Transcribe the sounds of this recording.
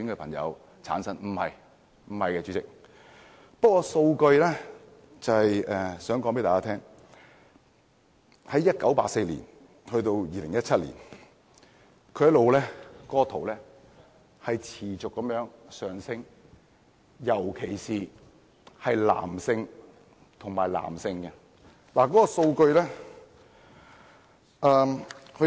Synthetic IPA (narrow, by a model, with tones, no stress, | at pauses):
y˨˥ŋkɛː˧pʰɐ˨˩ŋjɐ̰˨˧w | t͡sʰa̰ː˨˥nsɐ˥nm̩˨˩hɐ˨j | m̩˨˩hɐ˨jkɛː˧t͡syː˨˧˥t͡sɪ˨k̚ | pɐ˥t̚kːwɔː˧so˧wkɵ˧ɥlɛː˥ | t͡sɐ˨hɐ˨jɛː˨sœː˨˥ŋkɔː˨˥ŋpe˨˥t̪aː˨˩kaː˥t̪ʰɛː˥ŋ | hɐ˨˥jːɐ˥t̚kɐ˨˥wpaː˧˨k̚se˧jlḭː˨˩n | hɵ˧t̪o˧wjiː˨˧lɪ˨˩ŋjɐ˥t̚t͡sʰɐ˥t̚lḭː˨˩n | kʰɵ˨˧jɐ˥tlo˨wlɛː˥kɔː˥t̪ʰo˨˩wlɛː˥ | hɐ˨jt͡sʰiː˨˩t͡sʊ˨kːɐ˨mjœː˨˥ŋsœː˨ŋsɪ˥ŋ | jɐ˨˩wkʰe˨˩jsiː˨ | hɐ˨jla̰ː˨˩msɪ˧ŋ | t̪ʰʊ˨˩ŋmaː˨˩jla̰ː˨˩msɪ˧ŋkɛ˧ | laː˨˩kɔː˨˦˥kɔ˧so˧wkɵ˧ɥlɛː˥ | ʔɛː˧hɵ˧